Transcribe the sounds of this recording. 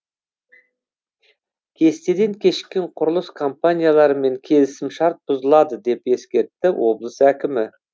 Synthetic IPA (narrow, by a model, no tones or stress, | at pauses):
kʲʰe̞st̪e̞d̪e̞ŋkʲʰe̞ʃkʲeɴqʰʊɾlˠəskʰo̞mpanʲijalˠɑɾəme̞ŋkʲʰe̞lɪsɪmʃɑɾt̪̚bʊzəlˠɑd̪əd̪e̞pe̞skʲe̞ɾt̪ːɪwo̞̰blˠəsækʲɪmɪ